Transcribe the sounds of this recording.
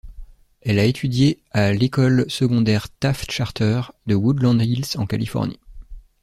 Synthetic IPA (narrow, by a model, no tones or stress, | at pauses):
ɛlaet̪ʰyd̪je | alekɔlsəɡɔ̃d̪ɛʁt̪afʃaʁt̪œʁd̪əwud̪lɑ̃d̪ilsɑ̃ka̰lifɔ̰ʁnḭ